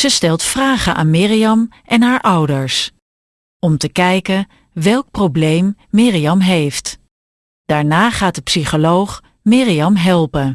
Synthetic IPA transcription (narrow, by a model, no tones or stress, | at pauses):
z̥əstɛlˠtfraːχənʔa̰ːnmɪːrijɑm | ʔɛnɦaːɹʔʌwdəɹs | ɔmtəkɛjkən | ʋɛlˠk̚prowblejmːɪːrijɑmɦejft | d̥aːɹnaːχaːt̚əpsiχolowχ | mɪːrijɑmɦɛlˠpən